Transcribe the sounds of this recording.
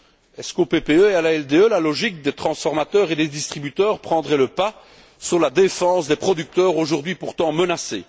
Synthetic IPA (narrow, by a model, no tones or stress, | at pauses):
ɛskopepeøealaɛld̪eølalɔʒik̚d̪et̪χɑ̃sfɔʁmat̪œːʁed̪ed̪ist̪χibyt̪œːʁpχɑ̃d̪ʁɛləpa | syʁlad̪efɑ̃sd̪epχɔd̪yk̚t̪œːʁoʒuʁd̪ɥipuʁt̪ɑ̃mənasḛ